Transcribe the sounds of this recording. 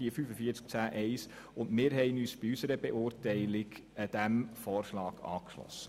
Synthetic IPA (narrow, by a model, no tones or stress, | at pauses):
iəfyːfəfiːət͡sk̚t͡sæːʔɛɪs | ʊndmɪːɾɦɛɪnyːsb̥ɪysəɾəbeʔʊːɾtɛɪlɪɡ | əd̥æmfɔːrʃlɑːɡ̥ɑ̰ːkʃlɔ̰sːə̥